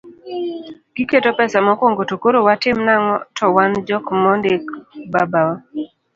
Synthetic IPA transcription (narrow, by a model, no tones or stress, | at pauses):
ɡ̥iketopɛsamɔkwoŋɡotokoɾowatɪmnaŋɔtʰɔwand͡ʒɔkmɔndekbabawa